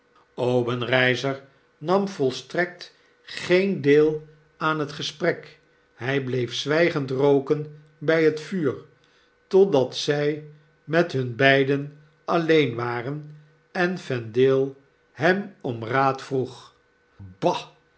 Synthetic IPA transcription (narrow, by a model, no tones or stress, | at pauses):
owbənrɛjzəɹ | nɑmvɔlˠstrɛk̚t | χejndeːlˠ | aːnɦətχəsprɛk | hɛjblejfsʋɛjχəntrowkən | bɛjɦətfyːɹ | tɔdɑtsɛj | mɛtɦɵnbɛjdən | ʔɑlejnʋaːrən | ɛnfɛndɪːlˠ | ɦɛmɔmraːtfruχ | bɑ